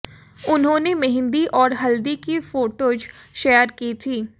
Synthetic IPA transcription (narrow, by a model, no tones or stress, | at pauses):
ʊnɦõːnemɛɦɪ̃nd̪iʔɔːɾɦɐld̪ikifoːʈoːd͡ʒʃeːəɾkiːt̪ʰiː